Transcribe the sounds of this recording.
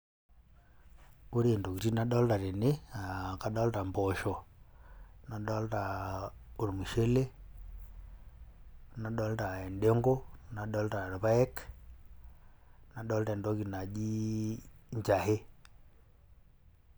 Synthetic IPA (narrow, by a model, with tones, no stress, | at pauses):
o˦ɾe˨ndo˨ki˨ti˦na˨ɗo˦lta˨ɾe˨ne˦a˨ka˨dɔ˦lta˨mpo˨ʃo˨ | na˨ɗɔ˦lta˨o˨ɾmu˨ʃe˦le˦ | na˨ɗo˦lta˨e˨nde˦ŋɡo˦na˨ɗo˦lta˨ɾβa˦e˦k | na˨ɗo˦lta˨ndo˦ki˨na˨d͡ʒi˦ | ɲt͡ʃa˨he˦